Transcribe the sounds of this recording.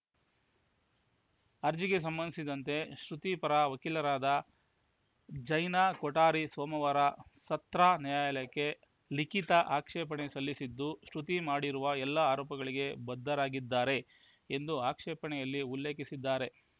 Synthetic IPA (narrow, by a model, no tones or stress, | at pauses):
ɐɾd͡ʒiɡe̞s̬ɐmbɐnd̪isid̪ɐnt̪e̞ʃɾut̪ipɐɾaʋɐkilɐɾaːd̪ɐ | d͡ʒɐjnaːkɔʈaːɾisoːmɐʋɐɾɐsɐt̪ɾaːnijaːjɐlɐjɐkːe̞ | likit̪ɐʔaːkʂɛːp̬ɐɳesɐlːisid̪ːuʃɾut̪imaːɽiɾuʋɐɛlːɐaːɾɔːpɐɡɐɭiɡe̞bɐd̪ːɐɾaːɡid̪ːaːɾe̞ | end̪uaːkʂɛːpɐɳɛjɐlːiulːeːkisid̪ːaːɾe